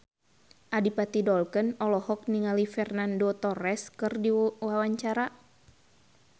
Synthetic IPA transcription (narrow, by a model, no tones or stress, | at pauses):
ʔadipat̪idɔlkənɔlɔhɔk̚niŋalifɛrnandɔt̪ɔrɛskɨrdiwawaɲt͡ʃaɾa